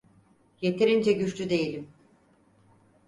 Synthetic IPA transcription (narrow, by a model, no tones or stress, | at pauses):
je̞t̪ʰeɾind͡ʒɛɟyt͡ʃlʲyd̪e̞jilʲim